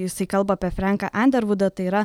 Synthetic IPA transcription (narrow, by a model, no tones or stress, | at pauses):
jɪsɐɪkɐlˠbɐɐpʲɛfʲɾʲæˑŋkɐ̰ʔænʲd̪ʲɛɾʋʊd̪ɐt̪ɐɪiɾɐ